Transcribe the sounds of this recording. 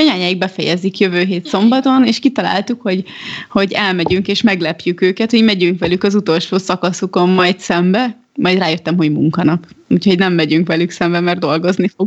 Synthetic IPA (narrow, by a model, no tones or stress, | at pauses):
ɒɲaːɲaːiɡ̚bɛfɛjɛzikjøvøːɦeːt̪so̞mbɒt̪o̞neːʃkit̪ɒla̰ːlt̪ukho̞ɟho̞ɟɛlmɛɟyŋkeːʃmɛɡlɛpjykøːkɛt̪ho̞ɟmɛɟyŋkʋɛlykɒzut̪o̞lʃoːsɒkɒsuko̞mːɒjt̪sɛmbɛ | mɒjd̪raːjøt̪ːɛmho̞ɟmuŋkɒnɒpuːcʰho̞ɟnɛmːɛɟyŋkʋɛlyksɛmbɛmɛrd̪o̞lɡo̞znifoɡ